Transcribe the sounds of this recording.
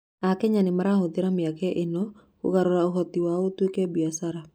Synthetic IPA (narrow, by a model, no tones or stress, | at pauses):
akɛɲanɪmaɾaɦod̪ɪɾamɪakɛʔɪnɔ | ko̰ɣaɾoɾaoɦɔt̪iwaotukɛbiasaɾa